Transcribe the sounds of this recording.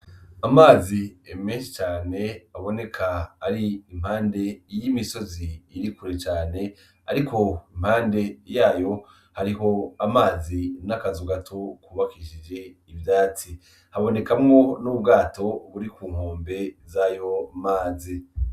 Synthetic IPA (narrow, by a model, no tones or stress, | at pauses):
amaːziemĩːnʃit͡ʃaːne̞aβo̞ne̞kʰaːɾiim̥haːnde̞jimiso̞ziːɾikuɾe̞t͡ʃaːne̞ | a̰ɾiko̞im̥haːnde̞jaːjo̞ | haɾiɦo̞amaːzinakazuɡatʰokuβakiʃid͡ʒe̞ivjaːt͡si | haβo̞ne̞kamŋo̞nuːbɡaːto̞βuɾikuːŋ̥hoːmbe̞zajo̞maːzi